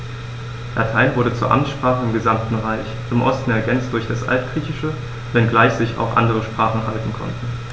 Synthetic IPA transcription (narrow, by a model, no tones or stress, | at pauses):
lʔatʰaɪnvʊɐɾət͡suːɐʔa̰mtʃpʁ̥aːχəɪmɡəzamtn̩ʁaɪç | ʔɪmʔɔ̰stn̩ɛɐɡɛnt͡std̥ʊɐçd̥asʔa̰ltɡ̥ʁiːçɪʃə | vɛnɡlaɪçz̥ɪça̰ʊxʔa̰ndəʁ̞əʃpʁ̥aːχn̩ɦaltn̩kʰɔ̰ntn̩